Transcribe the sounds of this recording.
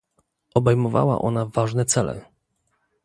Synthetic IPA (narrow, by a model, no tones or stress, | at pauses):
ɔbɛjmɔva̰wa̰ʔɔnavaʐnɛt̪sɛlɛ̰